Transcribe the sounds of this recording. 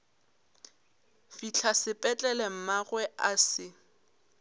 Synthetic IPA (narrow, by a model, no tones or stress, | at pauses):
fit͡ɬʰasɪpʼɛt͡ɬʼɛlɛm̩maɣwɛʔasɪ